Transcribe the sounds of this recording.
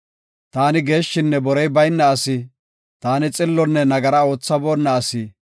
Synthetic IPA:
t̪aːnɪɡe̞ːʃːɪnːɛbɔɾɛjbɐjnːɐːsɪ | t̪aːnɪt͡sʼɪlːɔnːɛnɐɡɐɾɐo̞ːt͡sːɐboːnːɐːsɪ

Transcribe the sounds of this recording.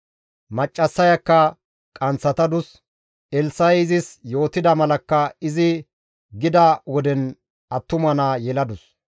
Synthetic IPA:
mɐt͡ʃʼːɐsːɐjɐkːɐ | kʼɐnt͡sːɐt̪ɐd̪ʊs | ɛlsɐjɪzɪsjo̞ːt̪ɪd̪ɐmɐlɐkːɐɪzɪ | ɡɪd̪ɐwɔd̪ɛn | ɐt̪ːʊmɐnaːjɛlɐd̪ʊs

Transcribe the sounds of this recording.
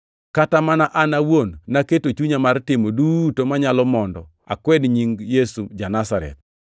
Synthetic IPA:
katamanaʔanawonːaketot͡ʃuɲamartɪmodutomaɲalɔmɔndɔ | a̰kwɛdɲiŋjesud͡ʒanasaɾɛ̰t̪̚

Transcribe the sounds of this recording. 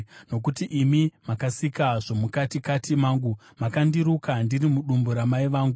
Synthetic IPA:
no̞k̬utiʔimimakasikaʐomukatikatimaːŋɡu | makandiɾukandirimuɗumboɾamaiʋaːŋɡu

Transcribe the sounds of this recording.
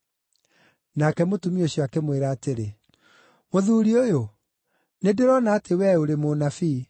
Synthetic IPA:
nakɛmotumioɕjwakemweɾaːteɾe | moðuːɾiojo | nedeɾɔnaːtewɛoɾemonafi

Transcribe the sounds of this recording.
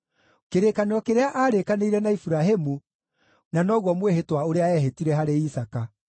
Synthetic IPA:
keɾeːkaneɔkeɾeaʔaːɾekaneiɾɛnaifuɾaɦemu | nanɔɣwɔmweɦetwaoɾeaɛɦetiɾɛɦaɾeisaka

